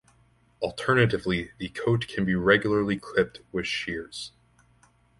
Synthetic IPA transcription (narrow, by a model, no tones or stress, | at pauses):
əlˠtʰɜ˞nɨɾɨvliðɨkʰoʊd̚kʰɨ̃nbiɹɛɡjl̩ˠə˞lˠikʰl̥ɪp̚t̚wɪð̥ʃɪɹz̥